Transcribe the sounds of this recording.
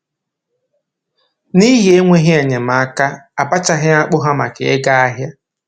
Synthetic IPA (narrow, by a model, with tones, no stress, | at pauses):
ni˦ɦe˦ŋʷe˦ɦɪ˦e˨ɲe˨ma˨a˦ka˦a˨pa˦t͡ʃa˦ɦɪ˦a˦k͡pʊ˦ɦa˦ma˨ke˨e˦ɡa˦a˦ɦja˦